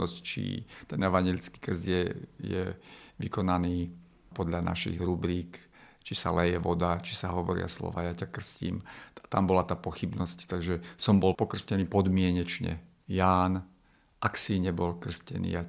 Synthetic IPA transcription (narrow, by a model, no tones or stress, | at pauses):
ɔsct͡ʃḭt̪ɛnɛʋaɲɛlit͡ski̥kr̩zɪjɛjɛ̰ʋikɔnaniː | pɔd̪ʎanʔa̰ʃḭɣɾubɾiːk | t͡ʃisa̰lɛjɛʋɔd̪at͡ʃi̥saɦɔʋɔɾɪ̰a̰slɔ̰ʋa̰ːjacakr̩scḭːmt̪ambɔlat̪aːpɔxibnɔsct̪aɡʒɛsɔmbɔlpɔkr̩scɛniːpɔd̪mɪɛɲɛt͡ʃɲɛ̰ | jaːn | ʔaksiɲɛbɔlkr̩scɛ̰nḭːja